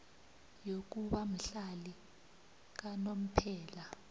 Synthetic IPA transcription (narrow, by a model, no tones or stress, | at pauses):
jok̬uɓamiɬali | k̬anom̩pʰɛːla